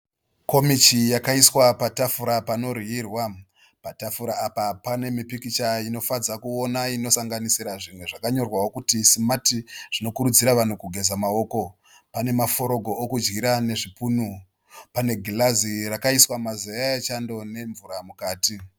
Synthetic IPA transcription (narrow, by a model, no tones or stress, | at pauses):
komit͡ʃijakaiswapatafuɾapano̞riirwa | patafuɾaːpapane̞mipikit͡ʃaino̞fad͡zakuonaino̞saŋɡanisiɾaʐimwe̞ʐakaɲo̞rwawo̞kutisimatiʐ̥ino̞kuɾud͡ziɾaʋan̤ukuɡʱe̞zamao̞ːko̞ | pane̞mafo̞ɾo̞ɡʱo̞ʔokud͡ʒɡiɾane̞ʐipunu | pane̞ɡʱilazirakaiswamazejaet͡ʃando̞ne̞ɱvuɾamukaːti